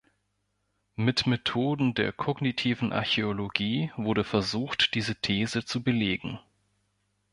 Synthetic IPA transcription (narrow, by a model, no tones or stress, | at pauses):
mɪtmetʰoːdn̩deːɐkʰɔɡnitʰiːvn̩ʔa̰ɐçeoloɡiːvʊɐɾəfɛɐzuːxtd̥iːzətʰeːzət͡subəleːɡŋ̩